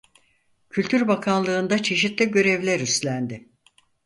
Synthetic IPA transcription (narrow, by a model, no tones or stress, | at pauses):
cʰylʲt̪ʰyɾbakʰanlˠɯːnd̪at͡ʃʰe̞ʃit̪lʲiɟø̞ɾɛvlʲæɾyst̪lʲænd̪ɪ